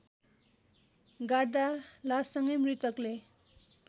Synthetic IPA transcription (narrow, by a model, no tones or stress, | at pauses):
ɡaɽd̪alasʌŋʌjmrit̪ʌkle